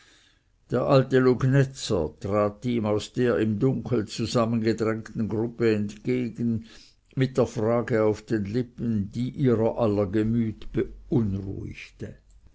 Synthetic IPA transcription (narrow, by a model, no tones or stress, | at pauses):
d̥eːɐʔaltəluɡnɛt͡sə̰tʁ̥aːtiːmaʊsd̥eːɐɪmdʊŋkʰl̩t͡suzamənɡədʁɛŋt̪n̩ɡʁʊpəɛntɡ̥eːɡən̩ | mɪt̚d̥eːɐfʁaːɡəaʊfd̥eːnlɪpənd̥iːʔiːʁɐʔalɐɡəmyːtb̥əʔʊnʁṵɪ̰çtə